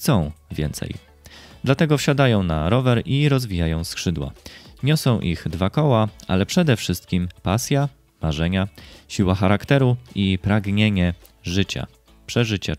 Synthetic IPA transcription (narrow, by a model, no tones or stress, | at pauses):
xt̪sɔ̃w̃vʲjɛ̰nt̪sɛ̰j | d̪lat̪ɛɡɔfɕad̪ajɔ̃w̃naɾɔvɛɾiɾɔzvʲijajɔ̃w̃skʂɘd̪wa̰ɲɔsɔ̃w̃ʔiɣd̪vakɔwaʔa̰lɛpʂɛd̪ɛfʂɘst̪̚kʲimpasʲja | maʐɛɲaɕiwaxaɾakt̪ɛɾuipɾaɡɲeɲɛ | ʐɘt͡ɕa̰ | pʂɛʐɘt͡ɕa̰